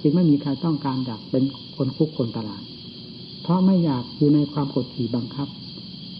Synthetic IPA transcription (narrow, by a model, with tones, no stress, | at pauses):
t͡ɕɯ˧ŋma˥˩jmiː˧kʰa˧jt̪ɔ˥˩ŋkaː˧nt͡ɕaː˨˩k̚pe˧n | kʰo˧nkʰu˦˥kʰːo˧nt̪a˧laː˨˩t̪̚ | pʰɔ˧˥ma˥˩jːaː˨˩k̚juː˨˩na˧jkʰwaː˧mkoː˨˩t̪̚kʰiː˨˩˦ba˧ŋkʰa˦˥˩p̚